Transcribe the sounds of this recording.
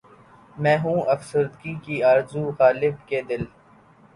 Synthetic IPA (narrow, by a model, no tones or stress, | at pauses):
mɛ̃ːɦũːʔɐfsəɾd̪kikiaːɾzuɣaːlɪbked̪ɪl